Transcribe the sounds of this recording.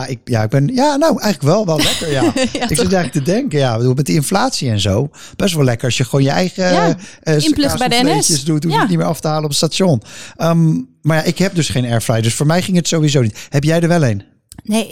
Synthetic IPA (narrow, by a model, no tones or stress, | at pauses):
ɪk̚ja̰ɪɡ̚bɛnjaːnowʔɛjχələkʋɛlˠʋɛllɛkəɹjaɪkssɛntɛχlələktədɛŋkəjabəduːlˠmɛt̚dəɪnflaːtsiɛnzow | b̥ɛstʋɛlˠɛkəɹɑsjəχəʋoːnjəɛjχə | ɪplbɛdlnejəsdutunitmɪːɹɑftəɦaːlənɔp̬ətstaːtʃɔnəmmaɹjaʔɪkɦɛp̚dɵsχejnɛɹfrajdøsfʊːɹmɛjχɪŋətsowʋizownithɛpjɛjdəɹʋɛlˠejn | ne